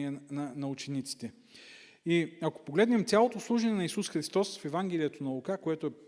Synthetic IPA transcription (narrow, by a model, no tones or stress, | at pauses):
ɛnɐnɐut͡ʃɛnit̪si̥t̪ɛ | iɐko̥poɡlɛd̪nɛmt̪sʲalˠot̪oːslˠuʒɐnɛnɐisusxɾist̪ɔsfɛvaŋɡ̟ɛlijət̪onɐlˠokakoɛt̪ʊɛ